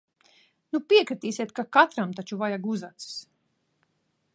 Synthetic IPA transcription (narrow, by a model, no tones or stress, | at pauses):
nupiɛkɾit̪iːsʲiɛt̪kakat̪ɾamt̪at͡ʃuvajaɡuzat̪sɨ̥s